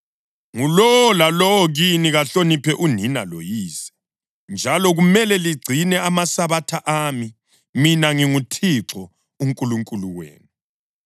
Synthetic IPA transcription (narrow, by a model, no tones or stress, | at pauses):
ŋulɔwɔlalɔwɔɣiniɣaɬonipʰɛʔuninalo̰jiːsɛ̥ | nd͡ʒʱalɔɣumɛlɛliɡ͡ǀʱinɛamasaβatʰaʔami | minaŋiŋutʰiǁʰɔ | uŋkʼuluŋkʼuluwḛːnu